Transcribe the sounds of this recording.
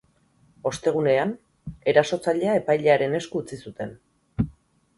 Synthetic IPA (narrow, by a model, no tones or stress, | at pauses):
o̞st̪e̞ɣ̞une̞an | e̞ɾaso̞t͡saʎe̞ae̞pajʎe̞aɾe̞ne̞skuːt͡sisut̪e̞n